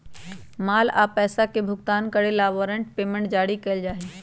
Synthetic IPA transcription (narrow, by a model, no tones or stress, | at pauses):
maːla̰pɛːsakebʱʊɡt̪aːnkəɽelaʋəɾəɳʈ̚peːmẽɳʈ̚d͡ʒaːɽikɐɪld͡ʒaːɦe